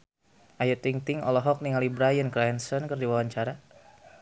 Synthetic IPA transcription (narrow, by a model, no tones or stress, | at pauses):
ʔajət̪iŋt̪ɪŋɔ̰lɔɦɔk̚niŋalibɾajənkɾaɛnsɔnkərdiwawaɲt͡ʃaɾa